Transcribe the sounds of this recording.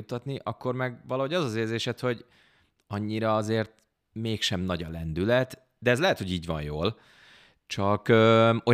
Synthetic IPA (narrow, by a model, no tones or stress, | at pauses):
ut̪ːɒt̪niʔɒkːo̞rmɛɡʋɒlɒɦo̞ɟɒzɒzeːrzeːʃɛt̪ho̞ɟ | ɒɲːiɾɒɒzeːrt̪ | meːkʃɛmnɒɟɒlɛnd̪ylɛt̪ | d̪ɛːzlɛɦɛt̪ho̞ɟiːɟʋɒ̰njoːl | t͡ʃɒkøːo